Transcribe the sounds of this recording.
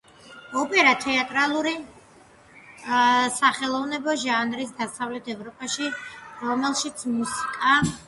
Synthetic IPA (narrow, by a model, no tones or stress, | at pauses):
ɔpʼɛɾat̪ʰɛat̪ʼɾalˠuɾi | saχɛlˠɔvnɛbɔʒanɾis̬d̪asavlɛt̪ʰɛvɾɔpʼaʃiɾɔmɛlˠʃit̪sʰmusi̥kʼa